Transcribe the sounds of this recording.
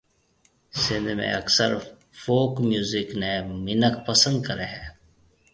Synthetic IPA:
sɪ̃nd̪ʱmḛ̃əksəɾ | foːkmjuːzɪknemɪnəkpəsə̃nd̪̚kəɾeɦɛː

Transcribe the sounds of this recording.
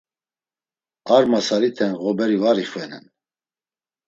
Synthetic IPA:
aɾmasaɾit̪ʰɛnɣɔbɛɾivaɾiχvɛnɛ̰n

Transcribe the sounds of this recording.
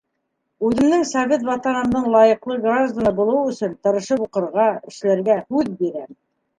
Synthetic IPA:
ʉðɘ̆md̪ɘŋsɑvʲet̪vɑt̪ɑnɤ̆md̪ɤɴlˠɑjɤ̆qlˠɤɡraʒd̪anɤbulˠɤ̆wɵ̆sɵnt̪ɤ̆ɾɤ̆ʃɤpuqɤ̆ɾʁɑɘ̆ʃlæɾɡæhʉðbiɾæm

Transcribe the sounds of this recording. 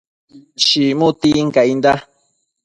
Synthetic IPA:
ʃimut̪iŋkaind̪a

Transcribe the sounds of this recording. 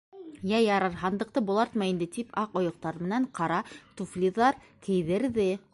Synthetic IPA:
jæjɑɾɑɾɦɑnd̪ɤ̆q̚t̪ɤbulˠɑɾt̪mɑjind̪ɘt̪ipʰɑqŏjŏq̚t̪ɑɾmɘ̆næɴqɑɾɑt̪uflʲiðɑɾ | kɘ̆jðɘ̆ɾðɘ

